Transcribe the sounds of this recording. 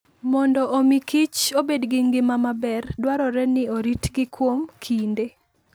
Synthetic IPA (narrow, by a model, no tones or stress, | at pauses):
mɔndɔʔomikit͡ʃobedɡɪŋɡɪmamabɛrdwaɾɔɾɛnɪoɾitɡɪkwomkʰinde